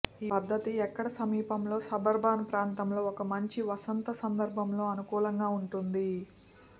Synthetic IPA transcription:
iːpɐd̪ʱːɐt̪iɛkːɐɽɐsɐmiːpɐmlo̞ːsɐbɐɾbʱaːnɐpɾaːnt̪ɐmlo̞ːɔkɐmɐɲt͡ʃiʋɐsɐnt̪ɐsɐnd̪ɐɾbʱɐmlo̞ːɐnukuːlɐŋɡaːuɳʈund̪i

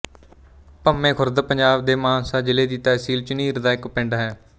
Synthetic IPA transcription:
pəmẽːkʰʊɾd̪pəɲd͡ʒaːbd̪eːmãːnsaːd͡ʒɪleːd̪iːt̪ːaːɪsiːlt͡ʃʊniːɾd̪aːɪkpɪɳɖaːɦɛː

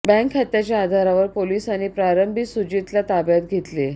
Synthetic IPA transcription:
bɛ̃ŋkʰːat̪jat͡ɕjaːd̪ʱaɾaʋəɾpoliːsañipɾaɾəmbʱisud͡ʑit̪lat̪abjat̪ɡʱet̪le

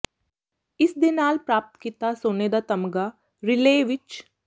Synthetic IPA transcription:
ɪsd̪ɪnaːlpɾaːp̚t̪kit̪asoːneːd̪at̪ɐmɡa | ɾɪleːʋɪt͡ʃ

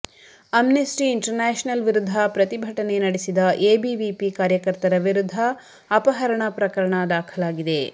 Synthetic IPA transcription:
ɐmnesʈiːɳʈɐɾnaːʃnɐlʋiɾud̪ʱːɐpɾɐt̪ibʱɐʈɐne̞nɐɽesid̪ɐʔeːbiʋipikaːɾjɐkɐɾt̪ɐɾɐʋiɾud̪ʱːɐː | pɐɦɐɾɐɳɐpɾɐkɐɾɐɳɐd̪aːkʰɐlaːɡid̪e̞

